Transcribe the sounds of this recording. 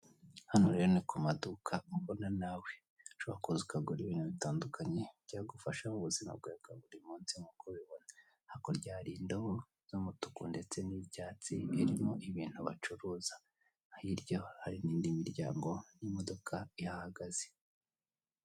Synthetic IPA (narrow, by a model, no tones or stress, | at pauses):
hanuɾe̞ɾonikumadukʰauβonanaːwe̞ | t͡ʃoβakuzukaɡoɾiβiːn̥huβitaːndukʰaɲe̞ɟ̥aːɡufaʃamuβuzima̰b̚ɡekaβuɾimuːnsimukʰoβiβo̞na | hakoɾɟaːɾindoβo | z̥umutu̥kunde̞t͡se̞nibɟaːt͡sieɾimoʔiβiːn̥huβa̰t͡ʃuɾuːza | hiɾɟo̞haɾiniːndimiɾɟa̰ːŋɡo̞nimodo̞kʰaijahaɡaz̥e